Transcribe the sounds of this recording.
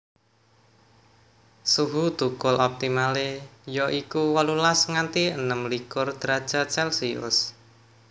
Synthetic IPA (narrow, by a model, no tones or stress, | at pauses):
suɦud̪̥ukʊlɔp̚t̪imalejɔʔikuwalulasŋant̪iənəmlikʊrd̪̥ɾḁʒ̥at͡ʃɛlsiʊ̰s